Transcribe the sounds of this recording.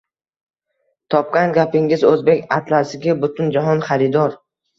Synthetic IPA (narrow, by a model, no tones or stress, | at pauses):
t̪ʰɒp̚kʲanɡʲapɪŋɪzɵzbe̞kʲa̰t̪lasɪɡʲabʊt̪ʰʊnd͡ʒaɦɒnχaɾɪd̪ɒɾ